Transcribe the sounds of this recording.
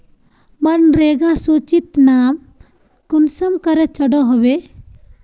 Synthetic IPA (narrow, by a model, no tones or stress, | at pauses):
bɐnɾeɡasut͡ʃit̪nam | kunsɐmkɐɾɛt͡ʃɐɖɔɦɔbe